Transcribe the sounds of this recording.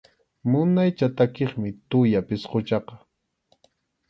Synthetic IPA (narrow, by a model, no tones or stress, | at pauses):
mʊnajt͡ʃat̪akeχmɪt̪ʊjapɪsqot͡ʃɑqɑ̥